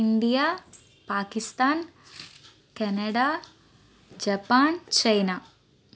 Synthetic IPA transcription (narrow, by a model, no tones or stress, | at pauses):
iɳɖijaː | paːkist̪aːn | kɐnɐɽaː | d͡ʒɐpaːnt͡ʃɐjnaː